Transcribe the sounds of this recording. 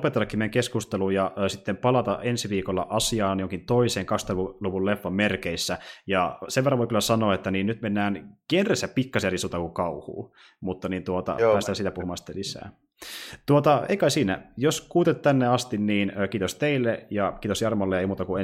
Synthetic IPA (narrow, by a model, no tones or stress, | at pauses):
pet̪elːɑkːimeŋkeskust̪eluːjjɑʔːsit̪ːempɑlɑt̪ɑʔensiʋiːkolːɑ̰ʔɑsiɑːnjoŋkint̪oiseːŋkɑksyt̪ːɑʋuluʋulefːɑmmerkeisːæjɑseʋerːɑʋoikylæsɑnoːet̪ːæniːnnyt̪menːæːnkenresæppikːɑsiɑrisut̪ɑkukɑuhṵː | mut̪ːɑnint̪uot̪ɑ̰pæːst̪æsiːt̪æpuhumɑnsi̥t̪ːelisæ̰ː | t̪uot̪ɑḛikɑisiːnæ̰joskuːt̪et̪t̪ænːeɑst̪inniːnøːkiːt̪ost̪eilːejɑkiːt̪osjɑrmolːeeimuːt̪ɑkue